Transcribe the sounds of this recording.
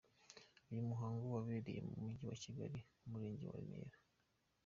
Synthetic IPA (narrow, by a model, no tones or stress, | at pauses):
ujumuɦaːŋɡowaβeːɾḛjemumuɟiwaciɡaɾiumuɾe̞ːɲɟḛwa̰imḛːɾa